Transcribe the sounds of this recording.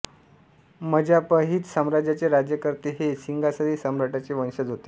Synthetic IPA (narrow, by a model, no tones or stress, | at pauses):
məd͡ʑapəɦiːt̪səmɾad͡ʑjat͡ɕeɾad͡ʑjəkəɾt̪eɦesiŋɡasəɾiːsəmɾaʈat͡ɕeʋə̃ñɕəd͡zɦot̪e